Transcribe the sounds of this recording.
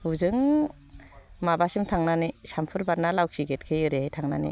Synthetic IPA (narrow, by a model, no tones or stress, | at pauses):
uzɯŋ | mabasɯmtʰaŋnanisampʰɯɾbaɾnalawk̚siɡet̚kʰɯjɯɾehajtʰaŋna̰nḭ